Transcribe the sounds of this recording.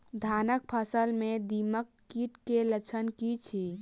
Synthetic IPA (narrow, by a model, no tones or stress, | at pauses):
d̪ʱanək̚pʰəsəlmed̪iməkːiʈkelət͡ʃʰənkit͡ʃʰi